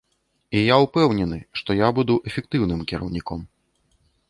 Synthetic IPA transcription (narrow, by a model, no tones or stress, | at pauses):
ijaupɛwnʲɛnɨʂt̪ɔjabud̪uʔɛfʲɛk̚t̪ɨwnɨmkʲiɾɐ̰wnʲikɔm